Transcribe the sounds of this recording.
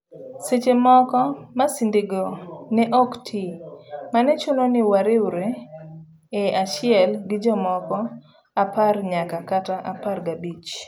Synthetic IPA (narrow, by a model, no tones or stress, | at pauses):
set͡ʃemɔkɔmasɪndɪɡonɛʔɔktʰimanɛt͡ʃʊnonɪwaɾɪwɾeː | aʃɪɛlɡɪd͡ʒɔmɔkɔ | aparɲakakataʔaparɡabit͡ʃ